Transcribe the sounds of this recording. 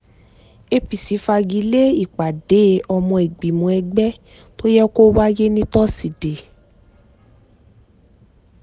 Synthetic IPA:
e˧pi˨si˨˦fa˧ɡi˨˧˦le˦i˦˨k͡pa˨de˨˦ɔ˧mɔ̃˧e˨ɡ͡bi˨mõ˨˧ɛ˧ɡ͡bɛ˦ | to˦jɛ˦ko˦wa˦je˦nĩ˦tɔ˦si˨de˨

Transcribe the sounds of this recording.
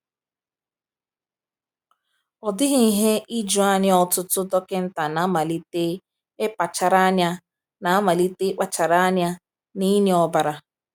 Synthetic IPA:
ɔ˨dɪ˦ɦi˨i˦ɦe˦i˦d͡ʒʊ˨a˦˨ɲɪ˦ɔ˨tʊ˦tʊ˦dɔ˦kɪ˦n̩˦ta˨na˨˦ma˨li˦te˦ | e˦k͡pa˨t͡ʃa˨ɾa˦ɲa˦ | na˨a˦ma˨li˦te˦k͡pa˨t͡ʃa˨ɾa˦a˦ɲa˦ | ni˦ne˦ɔ˨ba˨ɾa˨

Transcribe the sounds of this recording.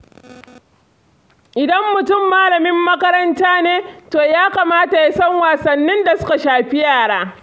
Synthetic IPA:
ʔɪ˨dɐ˦mːʊ˨tʊ˦mːaː˦lɐ˨mɪ˦mːɐ˦kɐ˦ɾɐ˦ntaː˦neː˦toː˨jaː˦kaː˨maː˦ta˨ja˦sɐ˦ŋwaː˨sɐ˨nːɪ˦nda˨sʊ˦ka˨ʃaː˨ɸi˦jaː˨ɽaː˦

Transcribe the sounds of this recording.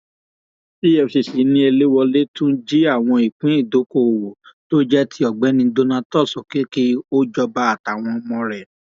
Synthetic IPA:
i˦ɛ˦˨ʃi˨si˨˦nĩ˧e˧le˦wɔ˧le˦tũ˦d͡ʒi˦a˦˨w̃ɔ̃˧i˨k͡pĩ˨˦i˦˨do˨˦ko˦˨o˨wo˨to˦d͡ʒɛ˦tʰi˧ɔ˨ɡ͡bɛ˨˦nĩ˧do˦nã˧tɔ˦˨sɔ˨ke˨˦ki˦o˦d͡ʒɔ˧ba˧˦a˦˨ta˨w̃ɔ̃˧mɔ̃˧ɾɛ˨

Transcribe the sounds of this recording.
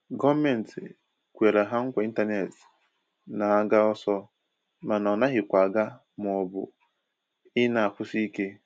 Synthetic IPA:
ɡɔ˦me˨n̩˨ti˨ | kʷe˨ɾa˨ɦa˦ŋ̩˦kʷa˨˦i˦n̩˦ta˦ne˨t | na˨a˦ɡa˦ɔ˦sɔ˦ | ma˨nɔ˨na˦ɦɪ˨kʷa˨ɡa˦ | m˨ɔ˨bʊ̰˨ | ɪ˦na˨a˨kʷʊ˦si˦ke˦

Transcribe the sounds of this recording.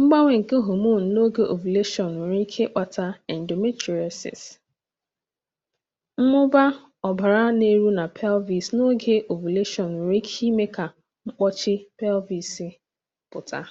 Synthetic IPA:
m̩˦ɡ͡ba˦ŋʷe˨ŋ̩˨ke˦ɦo˨mu˦˨n̩˨no˦ɡe˦ʔo̰˨vu˨le˦ʃɔ˨nu˨ɾi˦kʰe˦k͡pa˨ta˦ɛ˨n̩˨do˨me˦ti˨ɛ˨sɪ̰˨s | m̩˦mʊ˦ba˦ | ɔ˨ba˨ɾa˦ne˦ɾu˦na˨pʰɛ˦lvi˨sno˦ɡe˦ʔo˨vu˨le˦ʃɔ˨nu˨ɾi˦kʰi˦me˦ka˨ | ŋ͡m̩˦k͡pɔ˦t͡ʃɪ˦pɛ˦lvi˨si˦ | pʊ˨tʰa̰˦

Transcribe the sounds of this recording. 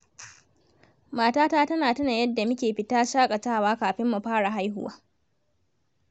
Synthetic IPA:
maː˨taː˦taː˦tɐ˦naː˨tɐ˦na˨jɐ˦dːa˨mʊ˦kʲeː˨ɸɪ˦taː˦ʃaː˦kʼa˨t͡ʃaː˦waː˦kaː˨ɸɪ˦mːu˨ɸaː˦ɽa˨ɦa˦jɦʊ˦wa̰ː˦

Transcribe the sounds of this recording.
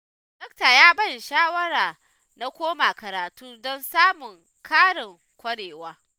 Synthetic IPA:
d̥ɔ˦k̚ta˨jaː˦bɐ˦˨nʃaː˦wɐ˦ɽaː˨ | na˦kʷoː˦ma˨kɐ˨ɾaː˨tuː˦dɔ˦nsaː˦mʊ˨ŋ | kʰaː˦ɽɪ˨ŋ | kʷɐ˦ɽeː˨waː˦

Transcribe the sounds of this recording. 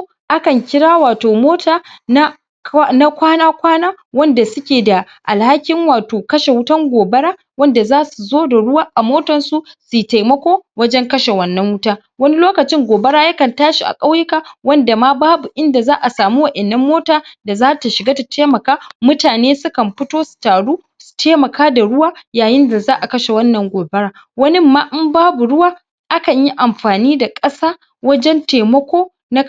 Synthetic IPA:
ʔa˦kɐ˨ŋkʲɪ˦ɽaː˦waː˨toː˨moː˦tʰaː˦na˦ | na˦kʷaː˦naː˦kʷaː˦naː˦ | wɐ˦nda˨sʊ˦kʲeː˨da˨ | ʔa˨lha˦kʲɪ˦ŋwaː˨toː˨kɐ˦ʃe˨wʊ˦tɐ˦ŋɡʷoː˨bɐ˦ɽaː˦ | wɐ˦nda˨zaː˦su˨zoː˦da˨ɽʊ˦waː˦ʔa˨moː˦tɐ˨nsu˨su˨ta˨jmɐ˦kʷoː˦wɐ˦d͡ʒɛ˦ŋkɐ˦ʃe˨wɐ˨nːɐ˦ŋwʊ˦taː˦ | wɐ˦ni˦loː˦kɐ˨t͡ʃɪ˦ŋɡʷoː˨bɐ˦ɽaː˦jɐ˦kɐ˨ntaː˦ʃi˨ʔa̰˨kʼɐ˦wjɪ˦ka˨wɐ˦nda˨maː˦baː˦bu˨ʔɪ˦nda˨zaː˦ʔa˨saː˨mu˦wɐ˨ʔɛ˨nːɐ˦mːoː˦taː˨da˨zaː˦ta˨ʃɪ˨ɡaː˦ta˨tʰeː˦mɐ˨kaː˦mʊ˦taː˨neː˦sʊ˦kɐ˨mɸɪ˦toː˦su̥˨taː˨ɽuː˦ | su̥˨tʰeː˦mɐ˨kaː˦da˨ɽʊ˦waː˦jaː˨jɪ˦nda˨zaː˦ʔa˨kɐ˦ʃe˨wɐ˦nːɐ˨ŋɡʷoː˨bɐ˦ɽaː˦ | wɐ˦nɪ˦mːaː˦ʔɪ˦mbaː˦bu˨ɽʊ˦waː˦ | ʔa˦kɐ˨ɲji˦ʔa˨mɸaː˨niː˦da˨kʼɐ˦saː˦ | wɐ˦d͡ʒɛ˦nta˨mɐ˦kʷoː˦ | na˦

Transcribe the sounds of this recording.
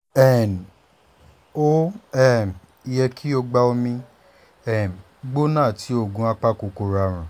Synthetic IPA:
ɛ˦˨n˨ | o˦ɛ˦˨m˨ | i˧jɛ˧kʰi˦o˧ɡ͡ba˧o˧mĩ˧ | ɛ˦˨m˨ | ɡ͡bo˦nãː˦˨ti˨˦o˦˧˨ɡũ˧˦a˧k͡pa˦ko˨ko˧˨ɾa˧˨ɾ̃ũ˨

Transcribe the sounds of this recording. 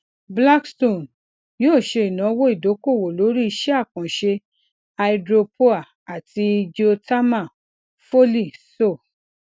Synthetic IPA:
bla˦kstõ˦˨n | joː˦˨ʃe˧i˨nã˨˦wo˦i˦˨do˨˦ko˦˨wo˨lo˨˦ɾi˦i˧ʃɛ˦a˦˨kã˨ʃe˧ | a˧i˧dɾo˧po˦a˦˨ | a˨ti˧d͡ʒio˧ta˦mã˦˨ | fo˦li˦˨so˦˨

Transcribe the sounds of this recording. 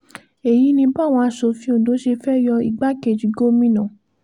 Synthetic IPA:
e˨ji˨˦nĩ˧ba˦˨w̃ɔ̃˧a˧˨ʃo˧˨fĩ˨˦o˦˨do˨˦ʃe˧fɛ˦jɔ˧i˨ɡ͡ba˦ke˦˨d͡ʒi˨˦ɡo˦mĩ˦nã˨

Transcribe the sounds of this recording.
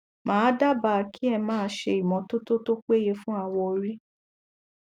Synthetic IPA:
mãː˨˦da˦ba˧˨˧ki˦ɛ˧mãː˦ʃe˧i˨mɔ̃˨˦to˦to˦to˦k͡pe˦je˧fũ˦a˦˨wɔ˧o˧ɾi˦

